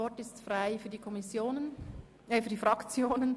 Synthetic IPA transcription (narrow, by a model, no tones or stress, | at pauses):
ɔɾtɪstfʁaɪfyːɐdikʰɔmisjoːnən | əfyːɐdifʁɑkt͡sjoːnən